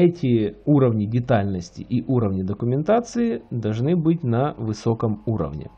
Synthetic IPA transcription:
ɛtʲɪuɾəvnʲɪdʲɪt̪alʲnəsʲtʲɪ̰ʔiʔuɾəvnʲɪd̪əkʊmʲɪnt̪at̪sɨɪd̪ɐlˠʐnɨbɨtʲnɐvɨsokəmuɾə̰vnʲɪ̰

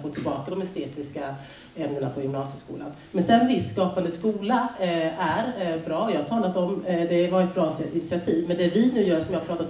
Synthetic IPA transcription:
foːt̪ʰɪlbɑːkad̪ɔmɛst̪eːt̪ɪska | ɛmnəɳapʰɔjɵmnɑːsjəskṵːla̰n | mɛnsɛnːvɪsːkɑːpand̪əskuːlaæɾbɾɑːɔjɑːhat̪ʰɑːlat̪ɔmd̪ɛvaɾɛt̪̚bɾɑːsɪnt̪sɪat̪ʰiːvmɛnd̪ɛvɪnʉ̟ːjœːʂɔmjɑhapʰɾɑːt̪at̪

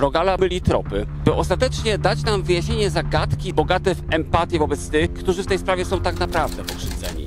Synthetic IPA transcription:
ɾɔɡalamɘlʲit̪ɾɔ̰pɘbɨʔɔst̪at̪ɛt͡ʂɲɛd̪at͡ɕnamvɘjaɕɲeɲɛzaɡat̪kʲibɔɡat̪ɛfɛmpat̪ʲjɛvɔbɛt̪st̪ɘxkt̪uʐɘft̪ɛjspɾavʲjɛsɔ̃w̃t̪aɡnapɾavd̪ɛpɔkʂɘd̪zɛ̰ɲḭ

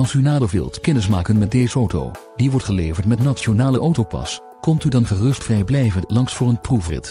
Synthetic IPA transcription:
ɑlˠsynaːdəlˠʋɪ̰lˠtkɛnɪs̬maːkənmɛt̚dejzəowto̰w | diʋɔɹtχəlejvəɹtmɛtnatsonaːləʔowtowpɑ̰s | kɔmtydɑnχərɵstfrɛjblɛjvənlɑŋsfʊːɹənprufrɪ̰t

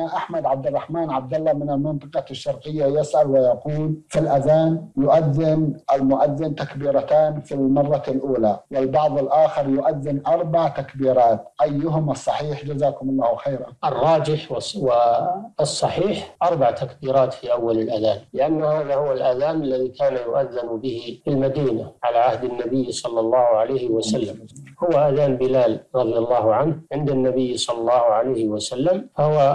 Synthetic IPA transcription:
aʔaħmad̪ʕab̚d̪ɪrˤːɑħmaːnʕab̚d̪ɪlːamɪnɪlmɪnt̪ˤɨqɑʃːɑɾˤqɪjːajɪsʔalwɪjɑquːlfilʔaðaːnjʊʔaðːɪnʔalmʊʔaðːɪnt̪akbiːɾˤɑt̪aːnfilmɑrˤːɑlʔuːlawɪlbɑʕðˤɪlʔaːxɪɾˤjʊʔaðːɪnʔɑɾˤbɑʕt̪akbiːɾˤɑːt̪ʔajːʊɦʊmɑsˤːɑħiːħd͡ʒazaːkʊmʊlˤːɑːhwxeːɾaʔɨrˤːɑːd͡ʒɪħwɪsˤːɑħiːħʔɑɾˤbaʕt̪akbiːɾˤɑːt̪fiʔawːalalʔaðaːnlɪʔanːhaːðahʊwalʔaðaːnalːaðikʰaːnajʊʔaðːɪnbɪhɪfɪlmad̪iːnaʕalaʕahd̪ɪnːabɪjːsˤɑlːɑlˤːɑːhʕalajhɪwasalːahʊwaʔaðaːnbɪlaːlɾˤɑðˤjɑlˤːɑːhʊʕanhʕɪnd̪anːabɪjːsˤɑlːɑlˤːɑːhʕalajhɪwasalːamfahʊwa

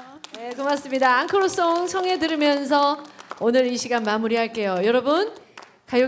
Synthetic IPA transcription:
ne̞komas͈ɯmɲidaːŋkʰɯɾos͈oŋsʰʌŋɦe̞dɯɾɯmjʌns̬ʰʌonɯɾiɕʰiɡanmamuɾiɦaɭk͈e̞jojʌɾʌbun | kajo

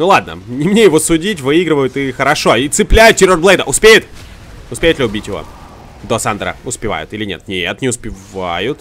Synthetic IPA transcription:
nulˠad̪̚nə̰nʲɪmnʲe̞jɪvosʊdʲitʲvɨiɡɾɪvəjʊt̪ɪxəɾɐʂo̞it̪sɨplʲæjʊt̪̚tʲɪɾorblˠejd̪əʔʊspʲejɪt̪ | ʊspʲejɪt̪lʲɪʊbʲitʲjɪvo̰ | d̪osand̪ɾə̰ʊspʲɪva̰jʊ̰t̪ilʲɪnʲe̞̰t̪̚nʲet̪nʲɪʊspʲɪvajʊt̪

